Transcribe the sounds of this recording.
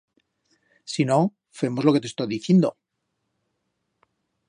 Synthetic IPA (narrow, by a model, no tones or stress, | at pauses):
sino̞ | fe̞mo̞zlo̞ke̞t̪est̪ojðiθjend̪o